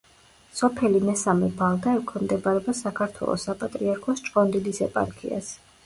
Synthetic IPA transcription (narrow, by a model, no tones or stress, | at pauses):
sɔpʰɛlimɛsamɛbalˠɡ̪aɛkʰɛmd̪ɛbaɾɛbasakʰaɾt̪ʰwɛ̰lˠɔ̰sapʼat̪ʼɾiaɾkʰɔst͡ʃʼqʼɔnd̪ilisɛpʼa̰ɾkʰḭa̰s